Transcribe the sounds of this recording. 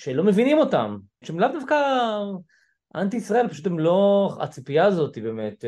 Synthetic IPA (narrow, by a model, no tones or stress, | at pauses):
ʃelo̞me̞vinimo̞ta̰m | ʃemlavd̪afka | ʔant̪̬iisʁae̞lpaʃutemloa̰t͡sipijaːzo̞t̪ibeme̞t̪